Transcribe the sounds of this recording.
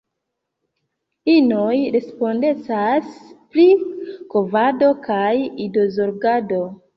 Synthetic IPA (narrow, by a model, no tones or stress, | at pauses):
inojɾe̞spo̞nde̞t͡saspɾikovado̞kajido̞zo̞ɾɡado̞